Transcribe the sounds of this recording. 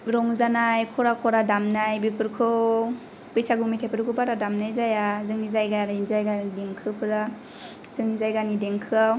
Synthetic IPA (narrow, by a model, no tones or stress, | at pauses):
ɾɔŋzanajkʰɔɾakʰɔɾadamnajbipɯɾkʰɯ | pɯjsaɡumitʰajpɯɾkʰɯbaɾadamnajzajazɯŋnizajɡaɾnzajɡanideŋkʰɯpʰɯɾa | z̥ɯŋnizajɡanideŋkʰɯaw